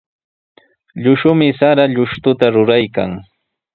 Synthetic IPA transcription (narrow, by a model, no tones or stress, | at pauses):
ʎʊʃʊmɪsaɾaʎʊʃt̪ʊt̪aɾʊɾajka̰ŋ